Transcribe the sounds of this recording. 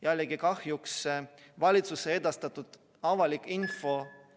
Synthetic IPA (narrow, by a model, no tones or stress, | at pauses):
jælʲːeɡikɑhjuks | vɑlʲit̪susee̞d̪̥ɑst̪ɑt̪ːˑud̪̥ | ɑvɑlʲikːˑinfo̞